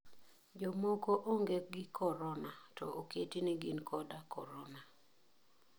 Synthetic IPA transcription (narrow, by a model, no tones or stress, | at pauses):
d͡ʒɔmɔkoʔoŋɡeɡɪkʰɔɾɔnatɔʔoketiniɡinkʰɔdakɔɾɔna